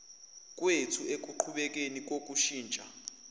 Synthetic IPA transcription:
k̬ʼwetʰuek̬ʼuǃʰuɓɛk̬enik̬ok̬ʼuʃiːnt͡ʃʼa

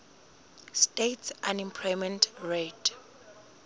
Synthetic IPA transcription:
stetsʔãnĩmpʰɹɔmɛ̃ntʰɹetʰ

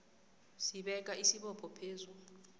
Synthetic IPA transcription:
siɓɛk̬ʼaʔisiɓɔpʰʼɔpʰeːzu

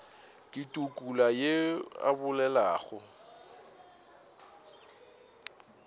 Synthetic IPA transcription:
kʼitʼukʼulajea̰bʊlɛla̰ːɣʊ

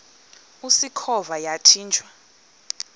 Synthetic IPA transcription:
usikʰɔvajatʰiːnt͡ʃʰʼwa

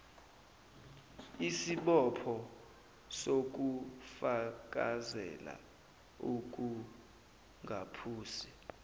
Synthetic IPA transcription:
isiɓɔpʰɔ | sok̬ufak̬ʼazɛ̰la̰ | uk̬ʼu | ŋɡʱapʰuːsi̥

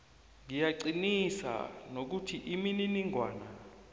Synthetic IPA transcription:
ŋijaǀinisa̰nok̬utʰiʔimininiŋʱwaːna

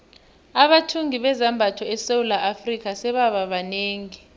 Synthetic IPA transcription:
aɓatʰuŋiɓɛzambʱatʰɔɛsewulaʔafrik̬ʼasɛɓaɓaɓaneːŋi

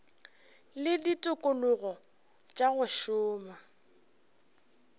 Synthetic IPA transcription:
lɪditʼʊkʼʊlʊɣɔ | t͡ʃʼaɣʊʃʊːma

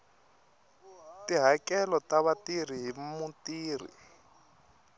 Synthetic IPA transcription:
tiɦakɛlɔtaβatir̤iɦimutiːr̤ḭ

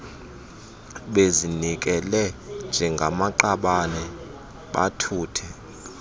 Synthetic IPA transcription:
ɓezinik̬ɛlɛnd͡ʒʱɛŋɡʱamaǃaɓanɛ | ɓa̰tʰuːtʰɛ

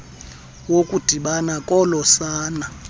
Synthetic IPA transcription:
wokʼud̥ʱiɓanakʼɔlɔsaːna

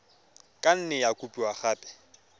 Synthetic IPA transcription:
kʼan̩nɪjakʼupʼiwaχaːpʼɛ̥

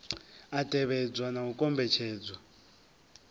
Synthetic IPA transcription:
atʼɛβɛd͡zwanaukʼɔmbʱɛt͡ʃʰɛːd͡zwa

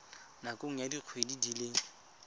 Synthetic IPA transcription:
nakoŋ̩jadiq͡χʰwedidileːŋ̩

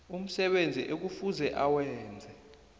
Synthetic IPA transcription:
um̩sɛɓend͡zʱḭʔek̬ufuzɛʔawɛːnd͡zʱɛ

